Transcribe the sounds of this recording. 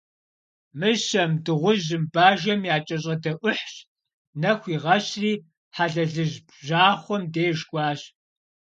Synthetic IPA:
mɨɕɐmdɨʁʷʊʑɨmbaːʒɐmjaːt͡ʃʼɐɕ̬ʼɐdɐʔʷʊħɕ | nɐxʷiːʁɐɕriː | ħaɮɐɮɨʑ | ʑaːχʷɔmdeːʒkʷʼɑːɕ

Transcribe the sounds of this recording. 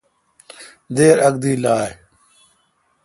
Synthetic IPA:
d̪eːɾɐɡ̚d̪iːlaːj

